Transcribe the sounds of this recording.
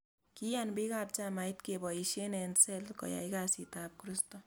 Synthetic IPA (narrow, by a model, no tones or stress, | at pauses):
kijanbikap̚t͡ʃamajtkebɔiʃenɛnsɛlkɔ̰ja̰jkaːsitaːp̚kɾistɔ